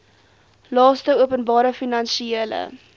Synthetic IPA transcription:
lɑːstəuəpənbɑːɾəfinɐnʃieələ̰

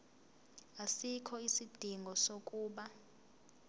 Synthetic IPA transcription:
asikʰɔisid̥ʱiŋɡʱɔsokʼuːɓa

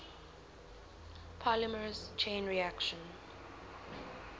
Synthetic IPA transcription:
pʰaləməɹəst͡ʃʰẽːnɹiækʃə̃n

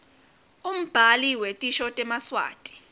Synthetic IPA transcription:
um̩b̥ʱaliwetʼiʃɔtʼɛmaswa̰ːtʼi̥

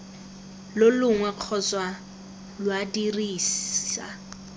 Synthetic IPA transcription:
lʊlʊŋwɛq͡χʰɔt͡swa | lwadiriːsa̰

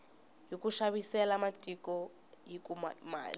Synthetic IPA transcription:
jokuʃaβisɛlamatʼikɔ | jikumma̰ːli

